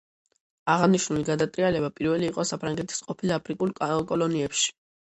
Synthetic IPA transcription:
aʁaniʃnuliɡad̪at̪ʼɾialɛbapʼiɾvɛliːqʼɔsapʰɾaŋɡɛt̪ʰi̥sqʼɔpʰilapʰɾikʼulˠkʼɔlɔniɛpʃi̥

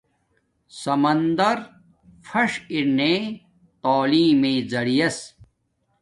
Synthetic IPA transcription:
sɐmɐnd̪ɐɾ | fʰɐʂinẽ | t̪aːliːmeːd͡zɐɽijɐs

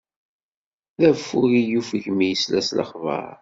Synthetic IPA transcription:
ðæfːuɾijufəʝmijəslæslə̰χvə̰ɾ

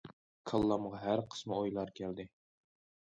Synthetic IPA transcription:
kʰɑlˠːɑmʁɑɦæɾqʰə̥smɨojlˠɑɾkʲʰɛld̪ɪ

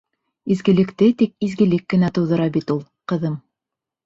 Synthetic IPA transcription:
izɡɘ̆lɘ̆kt̪ɘt̪ik̚izɡɘ̆lɘkːɘ̆næt̪ɤ̆wðɤ̆ɾɑbit̪ulˠ | qɤ̆ðɤm

